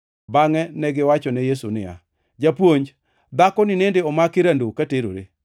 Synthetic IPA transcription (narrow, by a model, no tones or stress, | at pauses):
baŋɛnɛɡɪwat͡ʃɔnɛjesunɪ̰ja̰ | d͡ʒapwoɲd͡ʒ | d̪akɔnɪnendeɔmakɪɾandokateɾo̰ɾe